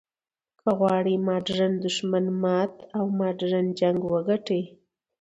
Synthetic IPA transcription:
kəɣwɑɽimɑɖɾand̪ʊʃmanmɑːt̪awmɑɖɾand͡ʒaŋɡwəɡaʈej

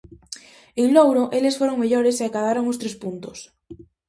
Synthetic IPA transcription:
eŋlowɾoʔelesfoɾoŋmeʎoɾeseakað̞aɾoŋost̪ɾespunt̪os

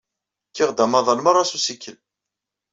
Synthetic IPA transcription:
kːiʁd̪æmɑðˤɑnməɾˤːɑsusikːəl

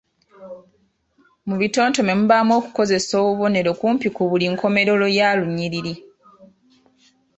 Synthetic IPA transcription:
muβito̞ːnto̞me̞muβaːmwo̞ːku̥ko̞ze̞so̞ːβuβo̞ne̞ɾo̞kuːmpikuβuliŋkʰo̞me̞ɾo̞lo̞jaːluɲːiɾiɾi

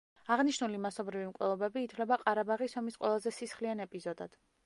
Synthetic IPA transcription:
aʁniʃnulimasɔbɾivimkʼwɛ̰lˠɔbɛbiːt̪ʰwlɛbaqʼaɾabaʁisɔmisqʼwɛlˠazɛsisχlianɛpʼizɔd̪a̰d̪̥

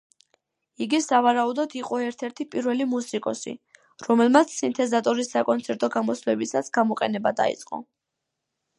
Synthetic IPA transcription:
iɡisavaɾaud̪ɔd̪iqʼɔɛɾt̪ʰɛɾt̪ʰipʼiɾvɛlimusikʼɔsḭ | ɾɔmɛlˠmat̪sʰsint̪ʰɛzat̪ʼɔɾisːakʼɔnt̪sʰɛɾt̪ʼɔɡamɔslɛbisasɡ̥amɔqʼɛnɛbad̪a̰ḭt̪sʼqʼɔ̰

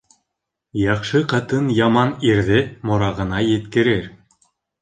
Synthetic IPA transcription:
jɑχʃɤqɑt̪ɤnjɑmɑniɾðɘmŏɾɑʁɤ̆nɑjɘ̆t̪kɘ̆ɾɘɾ

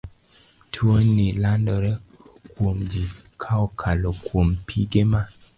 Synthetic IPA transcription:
tʰwonilandɔɾɛ | kwomd͡ʒi | kʰaɔkʰalɔkwompʰiɡema

